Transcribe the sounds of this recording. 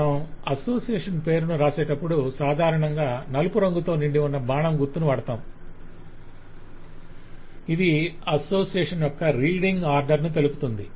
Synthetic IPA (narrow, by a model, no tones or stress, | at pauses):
ɐmɐso̞ːsijeːʂɐnpe̞ːɾunuɾaːsɛːʈɐpːuɽusaːd̪ʱaːɾɐɳɐŋɡaːnɐlupuɾɐŋɡut̪o̞ːniɳɖiunːɐbaːɳɐmɡuɾt̪ːunuʋɐɽɐt̪aːm | id̪iɐso̞ːsijeːʂɐnjɔkːɐɾiːlɖiŋɡaːɾɖɐɾnut̪e̞lupu̥t̪und̪i